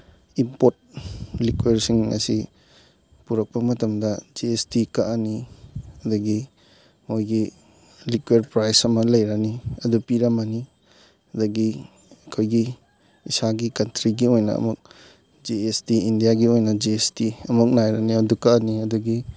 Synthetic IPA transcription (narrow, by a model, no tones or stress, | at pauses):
impot̚likweɾsiŋɐ̰si | puɾɐk̚pɐmɐtɐmdɐd͡ʒiestikaʔaniɐdɐɡi | mojɡi | likweɾpɾajsɐmɐlɐjɾɐniɐdupiɾɐmani | ɐdɐɡi | ɐkʰojɡiː | saɡikɐntɾiɡiojnɐ̰ːmuk̚ | d͡ʒeestiindijaɡiojnɐd͡ʒiestiɐmuk̚najɾɐniɐdukaniɐduɡi